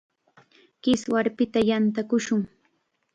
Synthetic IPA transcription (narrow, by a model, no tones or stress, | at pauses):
kɪswaɾpɪt̪ajant̪akʊʃʊŋ